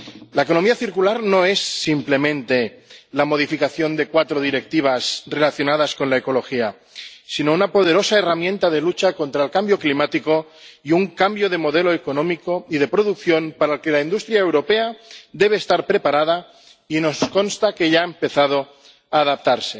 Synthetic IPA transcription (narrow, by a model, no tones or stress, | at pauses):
laeko̞no̞miaθiɾkulaɾno̞e̞sːimple̞mẽ̞nt̪e̞lamo̞ð̞ifikaθjo̞nd̪e̞kwat̪ɾoðiɾek̚t̪iβ̞asre̞laθjonaðaskonlaeko̞lo̞xia | sino̞unapo̞ð̞e̞ɾo̞saeramjẽ̞nt̪aðe̞lut͡ʃako̞nt̪ɾaelkambjo̞klimat̪iko̞iuŋkambjo̞ð̞e̞mo̞ðeloekonõmikoið̞e̞pɾoðukθjo̞npaɾaelke̞laind̪ust̪ɾjaewɾo̞pead̪e̞β̞eːst̪aɾpɾepaɾað̞a | inosko̞nst̪ake̞ʎaempe̞θað̞o | aːðap̚t̪aɾse̞